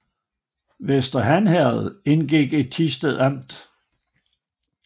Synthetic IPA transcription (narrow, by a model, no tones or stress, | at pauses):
ʋesd̥ɐɦænhæɐð̩ˠe̝nɡ̥iɡ̥e̝d̥̚t͡sʰisd̥eðˠɑm̰d̥